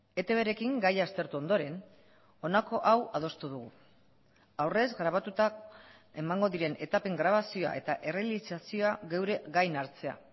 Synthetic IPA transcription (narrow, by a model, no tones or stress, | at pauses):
e̞t̪e̞β̞e̞ɾe̞kiŋɡajast̪e̞ɾt̪uo̞nd̪o̞ɾe̞n | o̞nako̞ʔawaðo̞st̪uðuɣ̞u | awre̞zɡɾaβ̞at̪ut̪a | e̞maŋɡo̞ðiɾe̞nʔe̞t̪ape̞ŋɡɾaβ̞asioa̰ʔe̞t̪aʔe̞re̞alisasio̞aɣe̞wɾe̞ɣajnaɾt͡se̞a̰